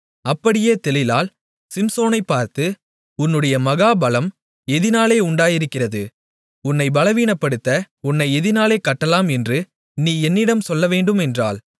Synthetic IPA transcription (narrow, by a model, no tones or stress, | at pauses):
ɐpːɐɽɪjeːt̪ɛlɪlaːl | sɪmsoːnɐɪpːaːɾt̪ɯ | ʊnːɯɽɐjɐmɐɣaːbɐlɐm | ɛðɪnaːleːʊɳɖaːjɪɾɯkːɪrɐðɯ | ʊnːɐɪbɐlɐʋiːnɐpːɐɽɯt̪ːɐ | ʊnːɐɪɛðɪnaːleːkɐʈːɐlaːmɛndrɯ | niːɛnːɪɽɐmsɔlːɐʋeːɳɖɯmɛndra̰ːl